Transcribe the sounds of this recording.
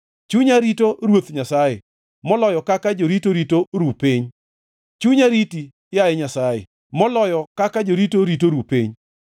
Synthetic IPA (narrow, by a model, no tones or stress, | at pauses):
t͡ʃuɲaɾitoɾwot̪ɲasajḛ | mɔlɔjɔkakad͡ʒoɾitoɾitoɾupiɲ | t͡ʃuɲaɾiti | jajɛɲasajḛ | mɔlɔjɔkakad͡ʒoɾitoɾitoɾupiɲ